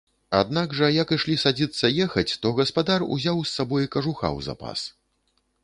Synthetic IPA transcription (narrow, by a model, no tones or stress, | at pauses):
a̰d̪̚naɡʐɐjɐkiʂlʲisad͡zʲit̪sːɐjɛxɐt͡sʲt̪ɔɣɐspad̪arṵzʲawsːabɔjikɐʐuxa̰wza̰pa̰s